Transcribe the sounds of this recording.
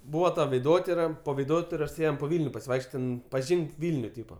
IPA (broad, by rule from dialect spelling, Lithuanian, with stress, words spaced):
ˈbuːʋɐ tɐ ʋʲɛɪˈdoːtʲɪrɐ poː ʋʲɛɪˈdoːtʲɪroːs ˈeːjɛm poː ˈʋʲiːlʲnʲʊ pɐsʲɪˈʋɐɪkʃʲˈt͡ʃʲoːtʲ ˈtʲɛn pɐˈʒʲiːŋk ˈʋʲɪlʲnʲʊ ˈtʲiːpɐ